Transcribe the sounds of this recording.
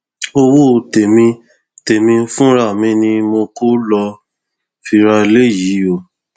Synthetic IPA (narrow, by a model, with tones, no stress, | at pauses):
o˧wo˦˨te˨mĩ˧ | te˨mĩ˧˦fũ˦ɾa˦˨mĩ˧˦nĩ˧mo˧ko˦lɔ˧ | fi˧ɾa˧le˦˨ji˨˦jo˦˨